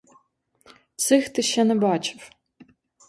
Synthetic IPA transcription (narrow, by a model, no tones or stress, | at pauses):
t͡sʰɨxt̪ʰɨʃɐnɨbaːt͡ʃʰʼɪf